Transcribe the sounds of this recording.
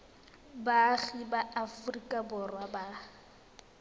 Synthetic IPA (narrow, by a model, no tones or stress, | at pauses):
baɣibaʔafrikʼabɔrwaba